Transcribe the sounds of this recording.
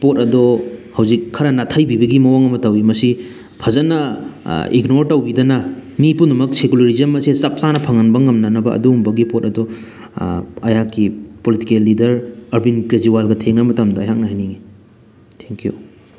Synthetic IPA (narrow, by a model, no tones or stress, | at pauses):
pot̚ɐdɔhɐwzikʰːɐɾɐnatʰɐjbibɐɡimɐwaŋɐmɐtɐwimɐsi | pʰɐzɐnɐ | ḭɡnoɾtɐwbidɐnɐmipundɐmɐk̚sekulɐɾizemːɐsesɐp̚sanɐpʰɐŋɐnbɐŋɐmnɐnɐbɐɐ̰dumbɐɡipot̚ɐdɔ | ɐjakːipolitikelːidɐɾɐɾbinkɾed͡ʒuwalɡɐtʰeŋnɐmɐtamdɐːjak̚nɐɦajniŋi | tʰeŋkiju